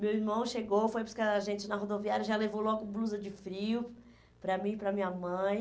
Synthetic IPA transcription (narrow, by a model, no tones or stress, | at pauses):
mewiɾmɐ̃w̃ʃeɡowfojpɾʊskaaʒẽnt͡ʃɪnɐɦod̪oviaɾjɐʒalevowlɔɡʊbluzɐd͡ʒɪfɾiʊ | pɾɐmĩpɾɐmĩɲɐmɐ̃j̃